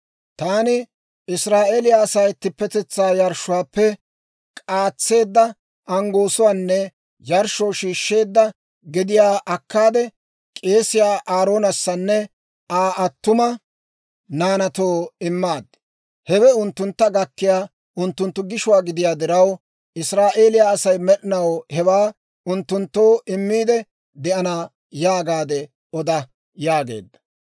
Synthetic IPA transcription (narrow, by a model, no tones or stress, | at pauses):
t̪aːnɪ | ɪsɾaːʔeːlɪjaːsɐjt̪ːɪpːɛt̪ɛt͡sːaːjɐɾʃʊwaːpːɛ | kʼaːt͡sːe̞ːd̪ːɐ | ɐŋɡo̞ːsʊwaːnːɛ | jɐɾʃowʃiːʃːe̞ːd̪ːɐ | ɡɪd̪ɪjaːʔɐkːaːd̪ɛ | kʼe̞ːsɪjaːʔaːɾo̞ːnɐsːɐnːɛ | aːɐt̪ːʊmɐ | naːnɐt̪oːɪmːaːd̪ | hɛwɛʊnt̪ːʊnt̪ːɐɡɐkːɪjaː | ʔʊnt̪ːʊnt̪ːʊɡɪʃʊwaːɡɪd̪ɪjaːd̪ɪɾɐw | ɪsɾaːʔe̞ːlɪjaːɐsɐjmɛɗɪnɐwhɛwaː | ʊnt̪ːʊnt̪ːo̞ːɪmːiːd̪ɛ | d̪ɛʔɐnaː | jaːɡaːd̪ɛ | ɔd̪ɐ | jaːɡe̞̰ːd̪ːɐ̥